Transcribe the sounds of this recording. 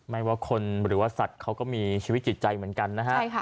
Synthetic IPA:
ma˦˥jwaː˧˩kʰo˧nɾɯː˩˦waː˥˩sa˨˩t̪̚kʰa˦˥wkɔː˥˩miː˧t͡ɕʰiː˧wt̪̚t͡ɕi˨˩t̪̚t͡ɕa˧jmɯ˩˦ə˦nka˧nːa˦˥kʰa˥˩jʰa˦˩

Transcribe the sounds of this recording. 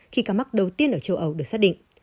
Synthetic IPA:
xi˧kaː˧ma˦˥k̚ɗə˨˩wt̪i˧ənʔəː˧˩t͡ɕə˧˩wʔə˨˧˩wɗɨ˨˩ək̚saː˦˥t̚ɗḭ˧˨ŋ̟

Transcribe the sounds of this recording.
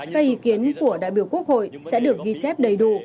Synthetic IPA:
kaː˦˥k̚ʔi˨˦ki˨˦ənku˧˩əɗa̰ː˧˨jɓi˧˩əwku˦˥ək̚ho̰˧˨jsɛ̰˧˥ɗɨ˨˩ək̚ɣi˧t͡ɕɛ˦˥p̚ɗə˨˧˩jɗu˧˨˩

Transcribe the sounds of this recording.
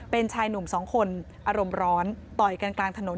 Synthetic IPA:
pe˧nt͡ɕʰaː˧jnu˨˩msɔː˩˦ŋkʰo˧n | ʔaː˧ɾo˧mɾɔː˦˥nt̪ɔ˨˩jka˧nklaː˧ŋt̪ʰa˧no˨˩˦

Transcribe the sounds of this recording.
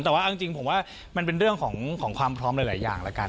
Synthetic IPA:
t̪ɛː˨˩waː˥˩˧t͡ɕi˧ŋpʰo˩˦mwaː˥˩ | ma˧npe˧nɾɯ˥˩əŋkʰɔː˩˦ŋkʰɔː˩˦ŋkʰwaː˧mpʰɾɔː˦˥mla˨˩˦laː˩˦ja̰ː˨˩ŋla˦˥ka˧

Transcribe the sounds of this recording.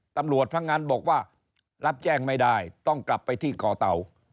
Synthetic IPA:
t̪a˧mɾu˨˩ət̪̚pʰɾa˦˥k̚ŋaː˧nbɔː˨˩k̚waː˥˩ | la˦˥p̚t͡ɕɛː˥˩ŋma˥˩jdaː˥˩jt̪ɔ˥˩ŋkla˨˩pːa˧jt̪ʰiː˥˩kɔː˩˦t̪a˩˦w

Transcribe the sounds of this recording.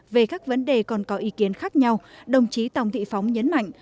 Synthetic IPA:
ve˨˩kaː˦˥k̚və˨˦nɗe˨˩kɔ˨˩nkɔ˨˦ʔi˨˦ki˨˦ənxaː˦˥k̚ɲa˧wɗə˨˩wŋ͡mt͡ɕi˨˦t̪a˨˩wŋ͡mt̪ʰḭ˧˨fa˨˦wŋ͡mɲə˨˦nma̰˧˨jŋ̟

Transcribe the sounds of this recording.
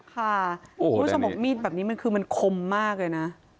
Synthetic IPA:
kʰa˥˩u˦˥sʰo˧mbu˨˩miː˥˩t̪̚bɛː˨˩p̚niː˦˥ma˧nkʰɯː˧ma˧nkʰo˧mːaː˥˩k̚lɤː˧jna˦˥

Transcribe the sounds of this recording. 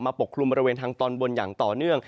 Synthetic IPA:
maː˧po˨˩kʰːlu˧mbɔ˧ɾeː˧nt̪ʰaː˧ŋt̪ɔː˧nbo˧njaː˨˩ŋt̪ɔː˨˩nɯ˥˩əŋ

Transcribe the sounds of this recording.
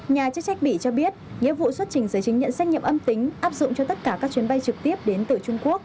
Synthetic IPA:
ɲaː˨˩t͡ɕk̚sa˦˥jk̚ɓi˧˩t͡ɕɔ˧ɓi˦˥ət̚ŋḭ˧˥əvṵ˧˨swə˦˥t̚t͡ɕï˨˩ŋ̟zəː˨˦jt͡ɕï˨˦ŋɲə̰˧˨nsa˦˥jk̚ɲḭ˧˨mʔə˧mt̪ï˨˦ŋ̟ʔaː˦˥p̚zʊ̰˧˨ŋ͡mt͡ɕɔ˧t̪ə˦˥t̚kaː˧˩kaː˦˥k̚t͡ɕwi˨˦ənɓa˧jt͡ɕɨ˨˩k̚t̪i˦˥əp̚ɗe˨˦nt̪ɨ˨˩t͡ɕʊ˧ŋ͡mku˦˥ək̚

